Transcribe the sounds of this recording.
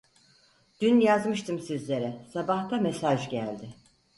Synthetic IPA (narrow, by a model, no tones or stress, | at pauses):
d̪̥ynjazmɯʃt̪ʰɯmsizlʲe̞ɾɛsabaht̪ʰamesaʒɟælʲd̪ɪ